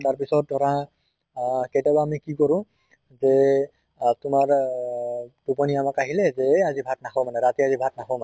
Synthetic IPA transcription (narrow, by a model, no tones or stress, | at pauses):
taɹpisɔt̚dʱɔɹa | ketabaːmikikɔɹʊ̃ | zɛ | tʊmaɹ | tupɔniamakaɦilɛzɛazibʱatnaxʰɔmanɛɹatiazibʱat̚nakʰɔmanɛ